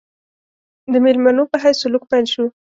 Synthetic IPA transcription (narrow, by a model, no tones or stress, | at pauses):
d̪əmelmanopəɦajsʊlʊk̚pajlʃu